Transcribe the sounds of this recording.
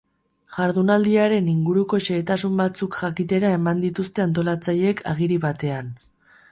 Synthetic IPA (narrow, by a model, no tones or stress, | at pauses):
ʝaɾðunald̪iaɾe̞niŋɡuɾuko̞ʃe̞ːt̪asumbat͡sukʝakit̪e̞ɾae̞mand̪it̪ust̪e̞ant̪o̞lat͡saje̞kʰa̰ɣ̞iɾiβat̪e̞an